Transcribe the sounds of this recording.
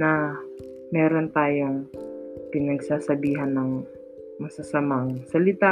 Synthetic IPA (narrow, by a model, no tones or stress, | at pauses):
nɐ | mɛːɾont̪aːjoŋpɪnɐɡsaːsɐbiːɦɐnːɐŋ | mɐsɐsɐmaŋsɐlɪt̪a